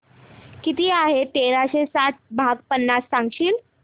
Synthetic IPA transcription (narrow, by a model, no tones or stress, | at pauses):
kit̪iːaɦet̪eɾaɕesaʈ̚ʰbʱaɡpənːasːãŋɡɕiːl